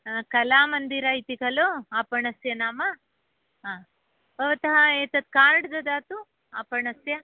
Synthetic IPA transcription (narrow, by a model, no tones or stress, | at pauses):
kɐlaːmɐnd̪iɾait̪ikɐloaːpɐɳɐsjɐnaːmɐ | ɦaː | bɐʋɐt̪ɐɦɐeːt̪ɐt̪̚kaːɾɖd̪ɐd̪aːt̪u | aːpɐɳɐsjɐ